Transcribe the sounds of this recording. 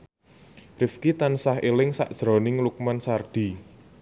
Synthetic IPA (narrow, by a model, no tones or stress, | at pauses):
rɪfkit̪ansahelɪŋsa̰ʔd̥ʒ̥ɾɔ̤nɪŋluk̚mansard̪̥i̤